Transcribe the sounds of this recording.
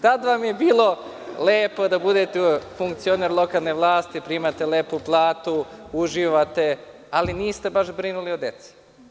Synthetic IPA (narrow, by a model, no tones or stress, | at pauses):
t̪ad̪ʋamje̞biːlˠo̞ | leːpo̞d̪abud̪et̪efuŋkt̪sioneɾlˠo̞kalˠneʋlˠaːst̪ipɾiːmat̪eleːpuplˠaːt̪uuʒiːʋat̪e̞ | aliniːst̪e̞baʃbɾinuliod̪et̪si̥